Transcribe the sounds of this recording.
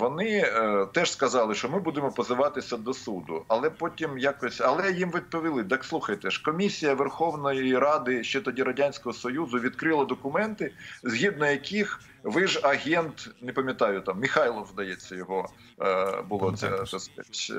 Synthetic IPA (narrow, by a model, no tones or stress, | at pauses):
ʋɔnɪt̪ɛʒskɐzɑlˠɪʃt͡ʃɔmɪbud̪ɪmɔpɔzɪʋɑt̪ɪsʲɐd̪ɔsud̪ʊ̰ɐlˠɛpɔtʲimjakɔsʲɐlˠɛjimʋʲid̪̚pɔʋʲilˠɪd̪ɑkslˠuxɐjt̪ɛʃkɔmʲisʲijɐʋerxɔʋnɔjiiɾɑd̪ɪʃt͡ʃɛt̪ɔdʲiɾɐdʲanʲsʲkɔɦɔsɔjuzʊʋʲid̪̚kɾɪlˠɐd̪ɔkʊmɛnt̪ɪzʲɦʲid̪̚nɔjɐkʲix | ʋɪʒɐɦʲɛnt̪nepɐmʲjɐt̪ɑjʊt̪ɑmːʲixɑjlˠɔwzd̪ɐjɛt͡sʲːɐjɔɦɔ | bʊlˠɔt̪sɛ̰t̪ɔskɐtʲ